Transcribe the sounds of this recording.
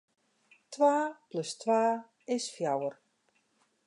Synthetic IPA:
tʰwaːplɵstʋaː | ɪsfjawər

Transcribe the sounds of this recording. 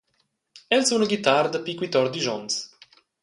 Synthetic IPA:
ɛlsunəɡit̪aɾd̪əpikwit̪ɔɾd̪iʒɔns

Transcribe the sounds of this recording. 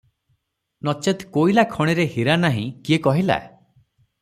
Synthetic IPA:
nɔt͡ʃet̪koilakʰɔɽ̃iɾehiɾanaɦḭ̃kiekɔɦila̰

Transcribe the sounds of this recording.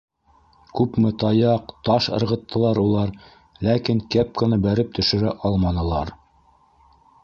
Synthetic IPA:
kʉpmɘt̪ɑjɑqt̪ɑʃɤ̰̆ɾʁɤ̆t̪ːɤ̆lˠɑɾulˠɑɾ | lækiŋkæp̚kɤ̆nɤbæɾɘp̚t̪ɵ̆ʃɵ̆ɾæʔɑlˠmɑnɤ̆lˠɑɾ

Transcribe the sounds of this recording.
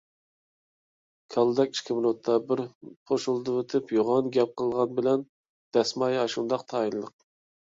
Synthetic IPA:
kʲʰɑlˠɨd̪ɛkʲi̥ʃkʲʰɪmɾot̪ʰːɑbɪɾχʰoʃulˠd̪ɨwøt̪ʰɪpjoʁɑnɡʲɛp̚qʰəlˠʁɑnbɪlɛn | d̪̥ɛsmɑjɑʃund̪ɑq̚t̪ʰɑːjillˠəq̚

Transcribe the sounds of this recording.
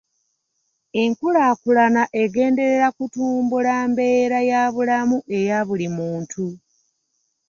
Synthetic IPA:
e̞ŋkulaːkulanaʔe̞ɡe̞ːnde̞ɾe̞ɾakutuːmbulaːmbe̞ːɾajaːβulamuʔe̞jaβulimuːntʰu

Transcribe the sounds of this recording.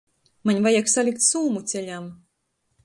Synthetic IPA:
manʲvajaksalʲikt̪ʲsuːmut̪sʲɛlʲam

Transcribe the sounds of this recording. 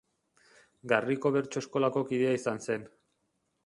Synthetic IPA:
ɡariko̞βe̞ɾt͡ʃoesko̞lako̞kiðeaisanse̞n

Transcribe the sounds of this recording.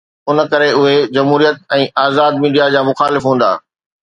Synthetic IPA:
ʊn̆kɐɾeʊɦed͡ʑɐmɦuːɾijət̪̚ɛ̃ːʔaːzaːd̪̚miːɖijad͡ʑaːmʊxaːlɪfɦũːnd̪a̰ː

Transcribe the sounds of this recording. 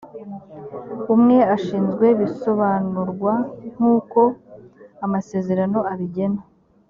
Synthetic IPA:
umŋe̞aʃiːnzɡwe̞βiso̞βaːnuɾɡwaŋ̥uːko̞ | amase̞ːze̞ɾano̞aβiɟe̞na

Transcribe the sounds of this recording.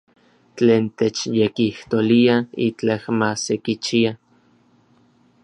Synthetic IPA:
t͡ɬeːnt̪et͡ʃjekiht̪oliait͡ɬahmasekit͡ʃia

